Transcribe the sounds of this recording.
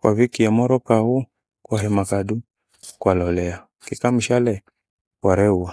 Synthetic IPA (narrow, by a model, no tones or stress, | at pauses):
kwʔa̰vikiamɔɾɔkahu | kwaɦɛmakadu | kwalɔlɛa | kikam̩ʃalɛ | kwaɾɛua